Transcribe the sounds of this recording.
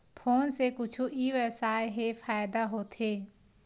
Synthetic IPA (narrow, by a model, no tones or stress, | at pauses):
pʰoːnsekʊt͡ʃʰuʔiʋjəwsaːeɦefʰaːjd̪aɦoːt̪ʰeː